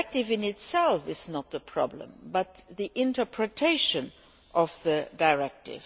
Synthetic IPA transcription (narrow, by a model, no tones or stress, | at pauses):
k̚tɪvɪ̃nɪtsɛlfɪznət̪̚ðəpʰɹ̥ɑ̰blə̰̃mbʌtðiʔɪ̃ntə˞pʰɹɨtʰeɪʃə̃n | ʔɔvðədaɪɹɛk̚tɪ̰v̥